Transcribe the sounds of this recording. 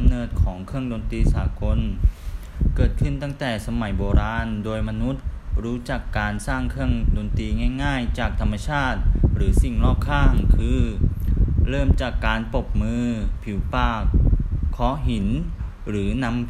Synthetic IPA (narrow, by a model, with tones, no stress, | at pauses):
mnɤː˨˩t̪̚kʰɔː˩˦ŋkʰɯ˥˩əŋdoː˧nt̪iː˧saː˩˦ko˧n | kɤː˨˩t̪̚kʰɯ˧˩nt̪a˥˩ŋt̪ɛː˨˩sa˧ma˩˦jboː˧ɾaː˧ndoː˧jma˧nu˦˥t̪̚ɾuː˦˥t͡ɕa˨˩kːaː˧nsaː˥˩ŋkʰɯ˥˩əŋdoː˧nt̪iː˧ŋaː˥˩jŋaː˥˩jt͡ɕaː˨˩k̚t̪ʰa˧mːa˧t͡ɕʰaː˥˩t̪̚ɾɯː˩˦si˨˩ŋnɔː˥˩k̚kʰːaː˥˩ŋkʰɯː˧ | ɾɤː˥˩mt͡ɕaː˨˩kːaː˧npo˨˩p̚mɯː˧pʰi˩˦wpaː˧˩kʰːɔː˦˥ɦi˩˦n | ɾɯː˩˦na˧˥m